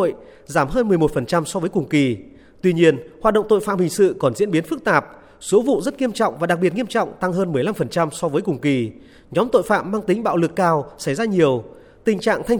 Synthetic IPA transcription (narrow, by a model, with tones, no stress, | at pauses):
o̰˧˨j | zaː˧˩mɦəː˧nmɨ˨˩əjmo˨˩t̚fə˨˩nt͡ɕa˧msɔ˧vəː˨˦jkʊ˨˩ŋ͡mki˨˩ | t̪wi˧ɲi˧ənhwaː˨˩t̚ɗə̰˧˨wŋ͡mt̪o̰˧˨jfa̰ː˧˨mhï˨˩ŋ̟sɨ̰˧˨kɔ˨˩nzḭ˧˥ənɓi˨˦ənfɨ˦˥k̚t̪aː˨˩p̚ | so˨˦vṵ˧˨zə˦˥t̚ŋi˧əmt͡ɕɔ̰˧˨wŋ͡mvaː˨˩ɗa˨˩k̚ɓi˨˩ət̚ŋi˧əmt͡ɕɔ̰˧˨wŋ͡mt̪a˧ŋɦəː˧nmɨ˨˩əjla˧mfə˨˩nt͡ɕa˧msɔ˧vəː˨˦jkʊ˨˩ŋ͡mki˨˩ | ɲɔ˨˦mt̪o̰˧˨jfa̰ː˧˨mːaː˧ŋt̪i˨˦ŋ̟ɓa̰ː˧˨wlɨ˨˩əkːaː˧wsa˧˩jzaː˧ɲi˨˩əw | t̪ï˨˩ŋ̟t͡ɕa̰ː˧˨ŋt̪ʰa˧jŋ̟